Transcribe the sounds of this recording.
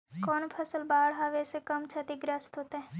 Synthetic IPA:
kɔːnpʰəsəlbaːɽɦaːʋesekəmt͡ʃʰət̪iɡɾəst̪ɦoːt̪eɦɛ

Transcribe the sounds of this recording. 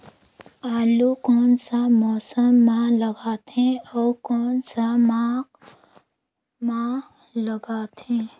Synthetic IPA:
aːlukɔːnsamɔːsəmːãləɡaːt̪ẽɔːɾkɔːnsamaːq | mã | ləɡaːt̪ẽː

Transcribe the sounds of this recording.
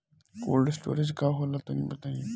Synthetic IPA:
ko̰ːlɖɪsʈo̰ːɾɪd͡ʒkaɦolat̪onĩːbɐt̪aːĩ

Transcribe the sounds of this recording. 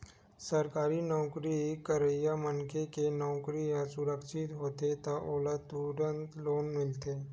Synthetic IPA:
səɾkaːɾinɔːkɾikəɾəjamənkekenɔːkɾijãsʊɾəkʃɪt̪ɦoːt̪et̪aʔoːlət̪uɾənt̪loːnmɪlt̪eː

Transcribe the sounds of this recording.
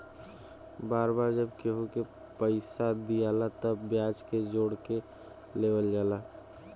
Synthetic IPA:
baːɾbaːɾd͡ʒəbkeɦoke | pəɪsad̪ijalat̪əbːjaːd͡ʒked͡ʒoːɽke | leʋəld͡ʒaːla

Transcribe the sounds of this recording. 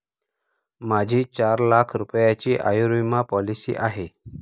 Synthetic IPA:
mad͡ʑʱiːt͡ɕaɾlakʰɾupjat͡ɕiːʔajuɾimapɔlisḭːʔaɦe

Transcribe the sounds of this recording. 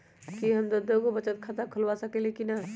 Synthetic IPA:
kiɦəmd̪əd̪okobət͡ʃət̪̚kʰət̪əkʰəlʋasəkelekina

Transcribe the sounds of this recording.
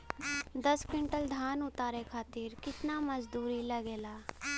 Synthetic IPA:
d̪əskɪɳʈəld̪ʱaːnʊt̪aːɾeːkʰaːt̪ɪɾkɪt̪naːməzd̪uːɾiːləɡeːlaː

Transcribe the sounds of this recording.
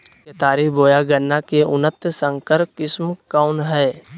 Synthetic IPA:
ket̪aːɾiboːjaɡənːakeʊnət̪sə̃ŋkəɾkɪsmkaʊnɦɛː

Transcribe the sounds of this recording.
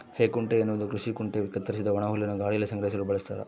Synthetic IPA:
heːkuɳʈeːnːuʋd̪ukɾuʂikuɳʈeʋikːɐt̪ːɐɾis̬id̪ɐʋɐɳaːɦulːɐnuɡaːɽijlɐsɐŋɡɾɐis̬ɐlubɐɭɐst̪a̰ːɾɐ̰

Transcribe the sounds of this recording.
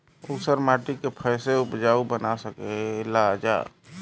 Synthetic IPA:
usəɾmaːʈikepʰəɪseʊpd͡ʒaːubənasəkelad͡ʒa̰ː

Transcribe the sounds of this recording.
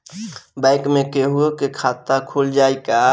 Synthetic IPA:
bãɪkmẽkeɦuokekʰaːt̪akʰoːld͡ʒaːika

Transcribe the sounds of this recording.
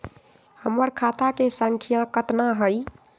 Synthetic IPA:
həməɾkʰat̪akesaŋkʰijãkət̪naɦəj

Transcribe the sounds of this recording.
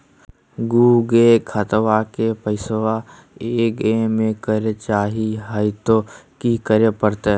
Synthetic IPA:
ɡuːɡekʰət̪wakepəɪsʋa | eːkẽmẽkəɾet͡ʃaːɦiɦaɪt̪okikəɾepəɾt̪e

